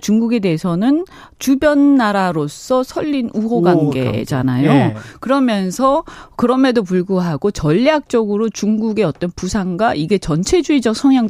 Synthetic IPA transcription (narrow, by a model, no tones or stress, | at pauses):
t͡ɕuŋɡuɡe̞de̞ːsʰʌnɯn | t͡ɕubjʌnːaɾaɾos͈ʰʌsʰʌʎːinuoɡwanɡe̞̰d͡ʑa̰najokɯɾʌmjʌnsʰʌkɯɾʌme̞dop̬uɭɡuɦaɡot͡ɕʌʎːjak̚t͡ɕ͈ʌɡɯɾot͡ɕuŋɡuɡe̞ʌt͈ʌnpusʰaŋɡwaʔiɡe̞t͡ɕʌnt͡ɕʰe̞d͡ʑuid͡ʑʌk̚sʰʌŋjaŋ